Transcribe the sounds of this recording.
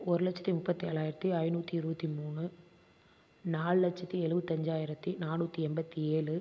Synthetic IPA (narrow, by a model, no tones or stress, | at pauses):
ɔɾɯlɐt͡ʃːɐ̥t̪ːimʊpːɐt̪ːieːɭaːjɪɾɐt̪ːiɐjnuːt̪ːiɪɾɯbɐt̪ːimuːɳɯ | naːɭɯlɐt͡ʃːɐt̪ːiɛɻɯʋɯt̪ːɛɲd͡ʒaːjɪɾɐt̪ːinaːnuːt̪ːiɛmbɐt̪ːieːɭɯ